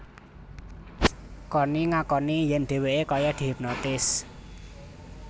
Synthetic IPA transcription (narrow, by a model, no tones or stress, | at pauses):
kɔniŋakɔnijɛnɖ̪̥e̤weʔekɔjɔɖ̪̥ip̚nɔt̪ɪs